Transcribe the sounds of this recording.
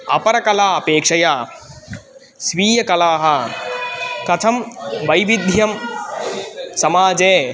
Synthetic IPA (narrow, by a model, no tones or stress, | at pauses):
ɐ̰pɐɾɐkɐlaːɐpeːkʂɐjaː | sʋiːjɐkɐlaːɦɐ̆ | kɐt̪ʰɐmʋɐjʋid̪ʱjɐm | sɐmaːd͡ʒeː